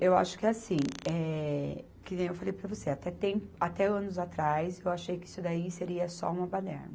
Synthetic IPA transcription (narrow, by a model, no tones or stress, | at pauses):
ewa̰ʃʊ̥kɪasĩɛ | kɪewfalejpɾɐvoseat̪ɛt̪ẽpat̪ɛɐ̃nʊzat̪ɾajzewaʃejkɪisʊd̪aiseɾiɐsɔ̰ũmɐpad̪ɛ̰ɾnɐ